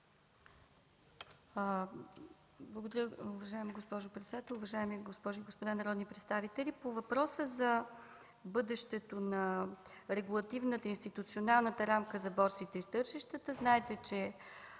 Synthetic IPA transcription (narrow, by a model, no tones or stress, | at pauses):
blˠəɡod̪əɾʲəʊvɐʒaɛmiɡospɔʒʊpɾɛt̪sɛd̪at̪ɛlˠʊvɐʒaɛmiɡospɔʒɡospod̪anɐɾɔd̪nipɾɛt̪st̪avit̪ɛlʲipovɐpɾɔsəzɐ | bɤd̪ɛʃt̪ɛt̪onɐ | ɾɛɡulˠɐt̪ivnət̪əinst̪it̪ut̪sionalˠnət̪əɾamkəzɐbɔɾsit̪ɛist̪ɤɾʃiʃt̪ət̪əznaɛt̪ɛt͡ʃɛ